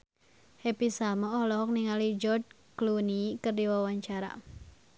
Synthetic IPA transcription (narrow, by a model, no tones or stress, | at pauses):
hɛpisamaɔlɔɦɔk̚niŋalid͡ʒɔt͡ʃ | klunikɨrdiwawaɲt͡ʃaɾa̰